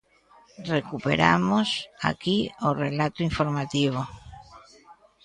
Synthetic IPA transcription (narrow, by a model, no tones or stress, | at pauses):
rekupḛɾa̰mosa̰kiorelat̪oiɱfoɾmat̪iβo